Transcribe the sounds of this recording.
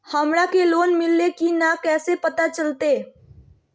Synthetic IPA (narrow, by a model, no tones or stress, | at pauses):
həmɾakeloːnmɪlːekinakɛːsepət̪at͡ʃəlt̪eː